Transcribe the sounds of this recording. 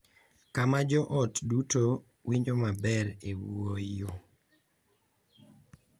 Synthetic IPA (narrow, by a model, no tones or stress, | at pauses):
kamad͡ʒɔʔɔtduto | wiɲd͡ʒomabɛɾewuoo